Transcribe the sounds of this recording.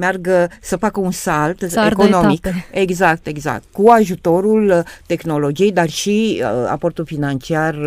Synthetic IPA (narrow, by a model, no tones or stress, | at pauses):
mearɡəsəfakəunsalt̪eko̞nomikeɡzak̚t̪e̞ɡza̰k̚t̪kuaʒut̪o̞ɾult̪e̞xno̞lo̞d͡ʒije̞jd̪arʃia̰po̞rt̪ulfinant͡ʃiar